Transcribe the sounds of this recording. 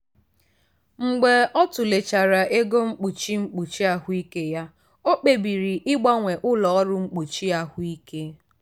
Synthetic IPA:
ŋ͡m̩˨ɡ͡be˨ɔ˦tʊ˨le˨t͡ʃa˨ɾa˨ʔe˦ɡo˦ŋ͡m̩˦k͡pu˨t͡ʃi˦ŋ͡m̩˦k͡pu˨t͡ʃi˦a˦ɦʊ˦i˦ke˦ja˦ | o˦k͡pe˨bi˨ɾi˨ʔɪ˦ɡ͡ba˦ŋʷe˨ʔʊ˦lɔ˨ɔ˦ɾʊ˦ŋ͡m̩˦k͡pu˨t͡ʃi˦a˦ɦʊ˦i˦ke˦

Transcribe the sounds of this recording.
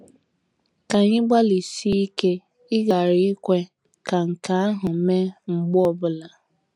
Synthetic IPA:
ka˨ɲɪ˦ɡ͡ba˦li˨si˦i˦ke˦ | ɪ˦ɡa˨ɾɪ˦kʷe˦ | ka˨ŋ̩˨ka˨a˦ɦʊ˨me˦ŋ͡m̩˨ɡ͡bʊ˦ɔ˨bʊ˨la˨

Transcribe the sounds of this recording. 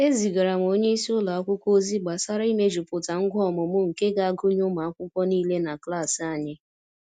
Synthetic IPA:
e˦zi˨ɡa˨ɾa˨m˨o˦ɲe˦i˦si˦ʊ˦la˨a˦kʷʊ˦kʷo˦zi˦ɡ͡ba˨sa˦ɾa˦i˦me˦d͡ʒu˨pʊ˨ta˨ŋ̩˦ɡʷɔ˦˨mʊ˨mʊ˦ŋ̩˨ke˦ɡa˨a˦ɡʊ˦ɲʊ˦ma˨a˦kʷʊ˦kʷɔ˦niː˦le˦na˨kla˦˨si˨a˦˨ɲɪ˦

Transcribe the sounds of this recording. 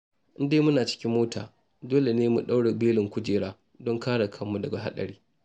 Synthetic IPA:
ʔɪ˦ndeː˦mʊ˦naː˨t͡ʃɪ̥˦kʲɪ˦mːoː˦tʰa̰ː˨ | doː˦le˨neː˦mṵ˨ɗa˦wɽe˨beː˦lɪ˨ŋkʷʊ˦d͡ʒeː˨ɽaː˦ | dɔ˦ŋkaː˦ɽa˨kʰɐ˦mːu˨dɐ˨ɡa˨ɦa̰˦ɗɐ̰˨ɽiː˦

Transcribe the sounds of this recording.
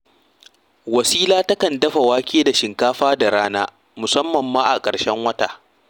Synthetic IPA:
wɐ˨siː˦laː˦tɐ˦kɐ˨ndɐ˦ɸa˨waː˦kʲeː˦da˨ʃɪ˨ŋkaː˦ɸaː˦da˨ɽaː˦naː˦ | mʊ˨sɐ˦mːɐ˨mːaː˦ʔa˨kʼɐ˨ɽʃɛ˦ŋwɐ˦taː˨ʔ

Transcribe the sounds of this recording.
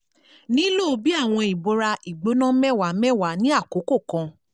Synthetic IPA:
nĩ˨˦lo˦˨o˧bi˦a˦˨w̃ɔ̃˧i˨bo˨˦ɾa˧i˨ɡ͡bo˨˦nã˦mɛ˦˨wa˨˦mɛ˦˨wa˨˦nĩ˦a˦˨ko˨˦ko˦˨kã˧

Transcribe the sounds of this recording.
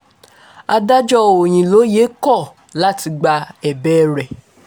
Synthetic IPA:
a˧da˦d͡ʒɔ˦o˨j̃ĩ˨lo˨˦je˨˦kɔ˦˨ | la˦ti˧ɡ͡ba˧ɛ˨bɛ˦ɾɛ˨

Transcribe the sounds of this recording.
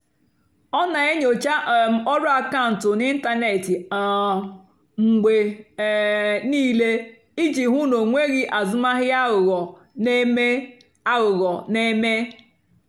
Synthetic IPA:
ɔ˦na˨e˦ɲo˨t͡ʃa˦ʔm˨ɔ˦ɾʊ˦a˨ka˦ʊ˨n̩˨tʊ˨ni˦n̩˦ta˦ne˨tɪ˨a˨ | ŋ͡m̩˨ɡ͡be˨ | niː˦le˦ | i˦d͡ʒi˨ɦu˦no˨ŋʷe˦ɣɪ˦ʔa˨zʊ˦ma˦ɦɪ˦a˦ʊ˨ɣɔ˨˦ | me˦ | a˦ɣʊ˨ɣɔ˨ne˦me˦

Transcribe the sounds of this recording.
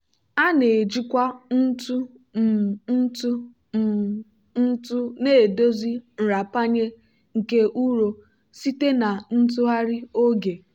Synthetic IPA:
a˦ne˨e˨d͡ʒi˦kʷa˦n̩˦tu˦ | m̩˨n̩˦tu˦˨ | n̩˦tʊ˦neː˦˨do˦zi˦n̩˨ɾa˨pa˦ɲe˦ | ŋ̩˨ke˦ʔu˦ɾo˨ | si˦te˦na˨n̩˦t̬u˦ɦa˦ɾi˦o˦ɡe˨

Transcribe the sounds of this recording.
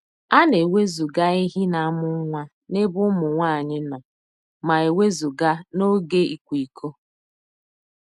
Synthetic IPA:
a˦ne˨we˦zu˨ɡa˦i˦ɦi˦na˨a˦mʊ˦ŋʷa˦ | ne˦bʊ˦mʊ˨ŋʷa˦˨ɲɪ˦nɔ˨ | ma˨e˨we˦zu˨ɡa˦no˦ɡe˦i˨kʷi˨kʰo˦

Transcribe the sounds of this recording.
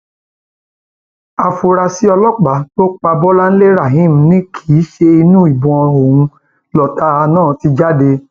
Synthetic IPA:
a˨fu˧ɾa˧si˦ɔ˧lɔ˦k͡pa˨˦to˦k͡pa˧bɔ˦la˦n̩˦le˦ɾa˦˨ɦĩ˦˨m̩˦nĩ˦kʰiː˨˦ʃe˧i˧nũ˦i˨bɔ̃˨ɔ˧o˨wũ˧ | lɔ˨ta˧˦˧nãː˦˨ti˧d͡ʒa˦de˧

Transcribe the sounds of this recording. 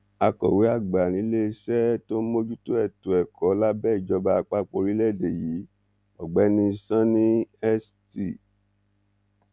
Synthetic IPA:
a˧kɔ̰˨we˨˦a˦˨ɡ͡ba˨ñĩ˨˦le˦sɛ˦to˦mo˦d͡ʒu˦to˦ɛ˦˨to˨ɛ˨kɔ˨˦la˦bɛː˦˨i˨d͡ʒɔ˧˦ba˧a˧k͡pa˦k͡po˧˨ɾi˦lɛ˦˨de˨ji˨˦ | ɔ˨ɡ͡bɛ˨˦nĩ˧sã˦nĩ˦ɛ˦sti˦˨

